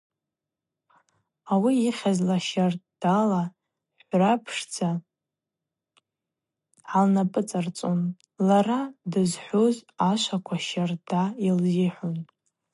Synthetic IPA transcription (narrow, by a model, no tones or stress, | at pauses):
awiiχʲazlaʃartd̥ala | ħʷrapʰʂd͡zʰa | ʕalnapʼɨt͡sʼart͡sʼun | laradɨzħʷozaʃʷakʷʰaʃardailziħʷon